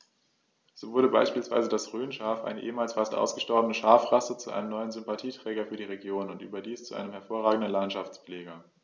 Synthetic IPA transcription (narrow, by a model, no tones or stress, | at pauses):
z̥oːvʊɐɾəba̰ɪʃpiːlsv̥a̰ɪzədasʁøːnʃaɐfʔa̰ɪnəʔḛːəmaːlsfastʔa̰ʊsɡ̥əʃtɔʁbənəʃaːfʁasət͡suʔa̰ɪnəmnɔʏənzʏmpatʰiːtʁ̥ɛːɡɐfyːɐdiːʁeɡjoːnʊntʔyːbɐdiːst͡suʔa̰ɪnəmɦɛɐfoːɐʁaːɡŋ̩dən̩lantʃaft͡spleːɡɐ